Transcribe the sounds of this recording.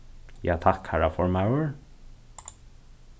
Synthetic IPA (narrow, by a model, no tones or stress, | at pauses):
jɑ̰ːt̪ʰɑkhæːɹɑfɔɹmaʊəɹ